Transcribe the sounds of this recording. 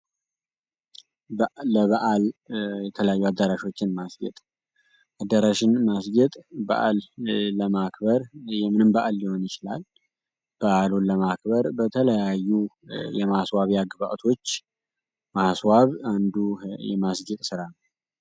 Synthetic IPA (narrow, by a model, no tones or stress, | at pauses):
əβəʔaljɛt̪ʰələjajːuad̪ːəɾaʃo̞t͡ʃːɪnmasɡɛ̰t̪ʼ | ʔad̪ːəɾaʃɪnmasɡɛt̪ʼbə̰ʔa̰lːəmakbəɾjɛmɨnɨmbəʔaljɪho̞njɪt͡ʃɪlal | b̥əʔaluləmakbəɾbət̪ʰələjajːujɛmaswaβjaɡɨβa̰ʔt̪ʰo̞t͡ʃː | maswaβand̪ujɛ̰masɡɛt̪ʼsɨɾanə